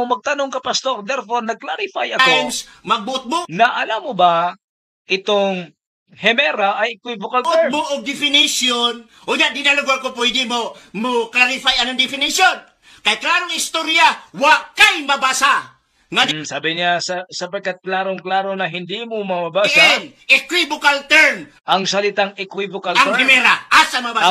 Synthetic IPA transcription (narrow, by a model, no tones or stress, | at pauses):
omɐɡ̚t̪ɐno̞ŋkɐpɐst̪o̞ɾd̪ɛɾfo̞ɾnɐɡ̚klaɾɪfajʔɐkonsmɐɡ̚bʊʔʊt̪̚bʊʔnɐʔɐlamːoba | ʔɪt̪oŋ | hɛmɛɾaʔɐjkwɪjvokɐlʔʊbuʔoɡ̚d̪ɪfɪnɪsjon | ʔoɲaʔd̪ɪnalʊɡoɾkopʊɛd̪ɪmomoklaɾɪfajanoŋd̪ɪfɪnɪsjon | kajklaɾoŋɪst̪oɾjawakajmabasa | ŋad̪saːbɪɲasɐsɐpɐɡ̚kːat̪̚klaːɾoŋklaːɾonɐɦɪnd̪imomɐmabaan | ɪkwibokalt̪ɛɾn | ʔɐŋsɐlɪt̪aŋɛkwivokalahɛmɛɾaʔasamaba